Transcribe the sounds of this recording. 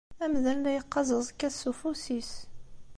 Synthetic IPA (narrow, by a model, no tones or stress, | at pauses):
æmðænlæjəqːɑzˤəzˤkːæsːufusis